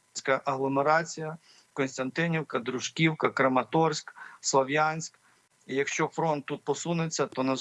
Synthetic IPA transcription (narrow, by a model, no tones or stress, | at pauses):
sʲkɐʔɐɦlˠɔmeɾɑt͡sʲijɐ | kɔnst̪ɐnt̪ɪnʲiwkɐd̪ɾʊʒkʲiwkɐkɾɐmɐt̪ɔrsʲkslˠɔʋjanʲsʲk | ijɐkʃt͡ʃɔfɾɔnt̪ːut̪̚pɔsunɪt͡sʲːɐt̪ɔnɐz